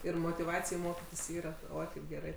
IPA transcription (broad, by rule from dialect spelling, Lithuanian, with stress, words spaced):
ɪr moːtʲɪˈʋɑːt͡sʲɪj ˈmoːkʲɪtʲɪs ˈiːrɐ ˈoːɪ kɐɪp ɡʲɛˈrɐɪ